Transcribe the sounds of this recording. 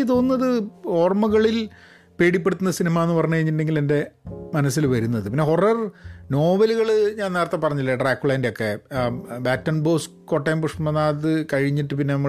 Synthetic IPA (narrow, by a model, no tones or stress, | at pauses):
it̪o̞ːnːɐðɨo̞ːrmɐɣɐɭil | pe̞ːɽipːe̞ɽut̪ːunːɐsinimaːenːɨpɐrɐɲːukɐɻiɲːiʈːɳːɖeŋɡile̞nde̞mɐnɐsːilʋɐɾunːɐðɨpinːe̞ɦorɐrno̞ːʋɐluɣɐɭɨɲaːnneːrɐt̪ːepɐrɐɲːilːeɖraːkːuɭɐjndejo̞kːe̞baːtːɐnbo̞ːs | ko̞ʈːɐjmpuʂmɐnaːðɨkɐɻiɲːiʈːɨpinːe̞nɐmːɐ